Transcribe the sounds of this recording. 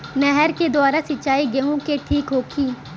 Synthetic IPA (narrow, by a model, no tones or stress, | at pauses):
nɛɦɛɾked̪ʊwaːɾasɪt͡ʃaːiɡɐɦõkeʈʰiːkɦoːkʰiː